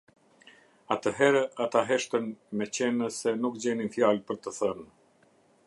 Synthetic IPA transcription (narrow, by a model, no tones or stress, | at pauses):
at̪əɦɛɾɛʔat̪aɦɛʃt̪ənmɛt͡ɕɛnəsɛnukd͡ʑɛninfjalpəɾt̪əθən